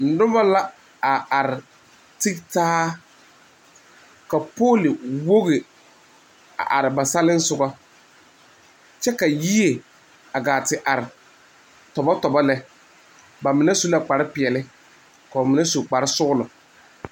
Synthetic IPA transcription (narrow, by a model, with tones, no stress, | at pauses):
n̩˨˦dʊ˦ba˦la˦ | a˨a˨ɾɪ˨ | tɪ˦ktaː˦ | ka˨poː˦lɪ˨wo˦ɣɪ˨ | a̰˨ʔa˨ɾɪ˨ba˨sa˦lɪ˦n̩˦sʊ˨ɡa˦ | t͡ʃɛ˦ka˨ji˦e˨ | a˨ɡaː˨tɪ˨ʔa˨ɾɪ˨ | tɔ˨ba˦tɔ˨ba˦lɛ˦ | ba˨mɪ˨nɛ˦su˦la˨k͡pa˨ɾɪ˦pɪ˨ɛ˨lɪ˦ | ka˨mɪ˨nɛ˦su˨k͡pa˨ɾɪ˦sʊ˦ɣʊ˦lʊ˨